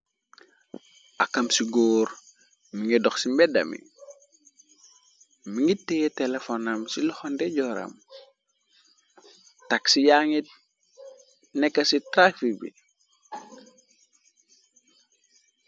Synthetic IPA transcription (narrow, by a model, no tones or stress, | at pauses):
ʔakamsiɡoːɾ | miŋidɔxsimbɛdɐ̰mḭ | miŋitːejetelefonamsilɔxondeɟɔɾa̰m | taksijaŋit̚ | nɛkːasitɾafibḭ